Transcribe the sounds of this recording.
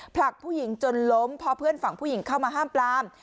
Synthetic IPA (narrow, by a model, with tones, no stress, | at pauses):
pʰla˨˩k̚pʰuː˥˩ji˨˩˦ŋt͡ɕo˧nlo˦˥mpʰɔ˦˥pʰɯ˥˩ənfa˨˩ŋpʰuː˥˩ji˩˦ŋkʰa˥˩wmaː˧ɦaː˥˩mplaː˧m